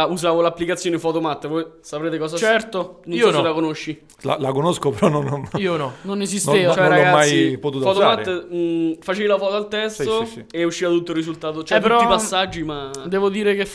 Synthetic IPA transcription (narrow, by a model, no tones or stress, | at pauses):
uzaːvolapːlikat̪sːjoːnefɔːt̪omat̪ːvɔjsapɾeːt̪ekɔːs̬at͡ʃɛɾt̪onoisolakonoʃːi | la̰lakonoskopeɾɔnonnionɔnonezistneːvat͡ʃːaɔɡamːasjpot̪uːt̪fɔt̪omat̪ː | fat͡ʃeːilafɔːt̪oalt̪ɛst̪oieuʃːiːvat̪ut̪ːorːizult̪aːt̪ot͡ʃɛt̪ːuɾɔipasːad͡ʒːimad̪ɛːvod̪iːɾekef